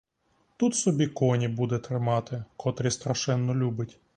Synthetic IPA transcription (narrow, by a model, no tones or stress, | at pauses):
t̪ut̪sɔbʲikɔnʲibud̪ɛt̪ɾɪmɑt̪ɪkɔt̪ɾʲist̪ɾɐʃɛnːɔlʲubɪtʲ